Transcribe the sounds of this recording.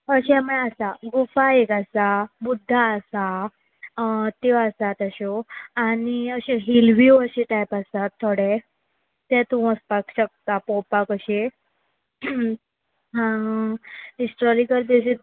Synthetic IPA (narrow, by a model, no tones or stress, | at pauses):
əɕɛməasaɡufaekasabud̪ʱːaəsa | t̪eʋasat̪əɕoañiəɕeɦilʋjuəɕeʈajpasat̪ʰːoɽe | t̪ɛ̃t̪ũəspakɕək̚t̪apopakəɕe | ɦã | isʈɔɾikəɾd̪̬eɕe